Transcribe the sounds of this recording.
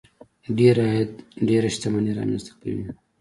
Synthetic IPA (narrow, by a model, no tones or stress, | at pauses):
ɖeɾajt̪ɖeɾaʃt̪amaniɾɑ̰mɛ̰nst̪ḁka̰wḭ